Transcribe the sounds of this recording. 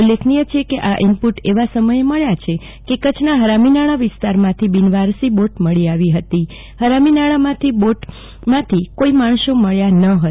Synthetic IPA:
ulːekʰnijət͡ʃʰekeʔaʔɪmpuʈeʋasəməjeməɭjat͡ʃʰe | kekət͡ʃʰnaɦəɾaminaɭaʋɪst̪aɾmãt̪ʰibinʋaɾsiboʈməɭiaʋiɦət̪i | həɾaminaɭamãt̪ʰiboʈ | mãt̪ʰikoimaɳ̃ʃoməɭjanəɦə

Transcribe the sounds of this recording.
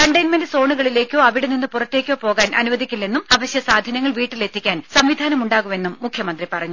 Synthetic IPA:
kɐɳɖɐjnmendɨso̞ːɳuɣɐɭile̞ːkʲːo̞ːɐʋiɽeninːɨpurɐtːe̞ːkʲːo̞ːpo̞ːɣaːnʔɐnuʋɐd̪ʱikʲːulːenːumɐbɐɕjɐsaːd̪ʱɐnɐŋːɐɭʋiːʈːilet̪ʰːikʲːaːnsɐmʋid̪ʱaːnɐmuɳɖaːɣume̞nːumːukʰjɐmɐnd̪ripɐrɐɲːu

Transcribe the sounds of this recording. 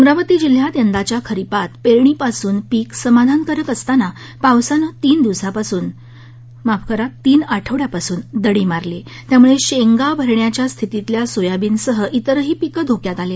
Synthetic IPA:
əmɾaʋət̪iːd͡ʑil̤jat̪jənd̪at͡ɕjakʰəɾipat̪peɾɳiːpasuːnpiːksəmad̪ʱankəɾəkəst̪ana | pawsanət̪iːnd̪iʋsapasuːn | mapʰkʰəɾat̪ːiːnaʈʰəʋɽjapasuːnd̪əɽiːmaɾle | t̪jamuɭeɕeŋɡabʱəɾɳjat͡ɕjast̪ʰit̪it̪ljasojabiːnsəɦəʔit̪əɾəɦiːpikəd̪ʱokjat̪ale

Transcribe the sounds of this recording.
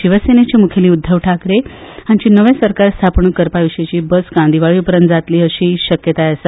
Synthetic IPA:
ɕiʋəsenet͡ɕemukʰeliːud̪ʱːəʋʈʰakɾeãt͡ɕiːnəʋjẽsəɾkaɾst̪ʰapɳuːkəɾpaʋiɕet͡ɕiːbəsɡãnd̪ʱiʋaɭipəɾənt̪d͡zat̪liːəɕiːɕəkjət̪ajəsə

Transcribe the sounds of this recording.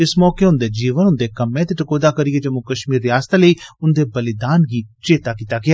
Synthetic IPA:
ɪsmɔːkeʊ̃nd̪eːd͡ʒiːʋənʊ̃nd̪eːkɐmẽt̪eʈɐkoːd̪aːkəɾiɡed͡ʒɐmũkɐʃmiːɾːɪjaːst̪ːləiːʊnd̪eːbɐlɪd̪aːnɡiːt͡ʃeːt̪aːkiːt̪aːɡɪa

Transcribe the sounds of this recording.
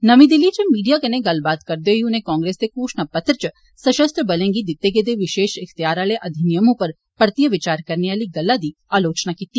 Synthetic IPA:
nɐmĩd̪ɪlit͡ʃəmiːɖijakɐnẽɡɐlbaːt̪kɐɾd̪eoiʊnɦẽkɔ̃ːŋɡɾeːsd̪ekuːʃnapɐt̪ɾət͡ʃə | sɐʃəst̪ʰəbɐlẽːŋɡid̪ɪt̪ːeɡed̪eʋɪʃeːʃɪxt̪ijaːɾaleʔɐd̪ʱinijəmõpɐɾ | pɐɽt̪ijəʋɪt͡ʃaːɾkɐɾneaːliɡɐlːad̪i | aːloːt͡ʃnakiːt̪iː

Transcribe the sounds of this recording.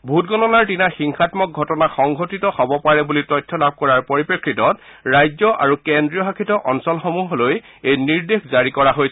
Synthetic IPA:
bʱutɡɔnɔnaɹtinaxiŋxʰatmɔk̚ɡʱɔtɔnaxɔŋɡʱotitɔxɔbɔpaɹɛbulitɔjtʰːɔlab̚ʱkɔɹaɹpoɹipɹɔkʰɹitɔt | ɹajzɔʔa̰ɹukendɹijɔɦakʰitɔʔɔnsɔlxomuɦɔloj | ejniɹdexzaɹikɔɹaɦojɛ

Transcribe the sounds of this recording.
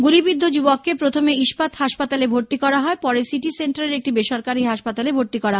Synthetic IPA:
ɡuɾibid̪ʱːod͡ʑubokːepɾot̪ʰomeiʃpat̪haʃpat̪alebʱoɾt̪ikɔɽaɦɔepɔɾesiʈiseɳʈaleɾek̚ʈibeʃoɾkaɾiɦaʃpat̪alebʱoɾt̪ikɔɾaɦɔ

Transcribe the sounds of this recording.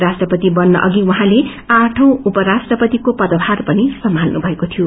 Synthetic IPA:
ɾasʈrʌpʌt̪ibʌnːʌ̰ʔʌɡiwaɦãle | ãʈʰʌ̃w̃upʌɾasʈrʌpʌt̪ikopʌd̪ʌbʱarpʌnisʌmːalnubʱʌekot̪ʰijo

